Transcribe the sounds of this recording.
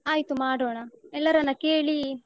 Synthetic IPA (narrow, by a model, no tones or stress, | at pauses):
aːjt̪umaːɽoːɳɐɛlːɐɾɐnːɐkeːɭi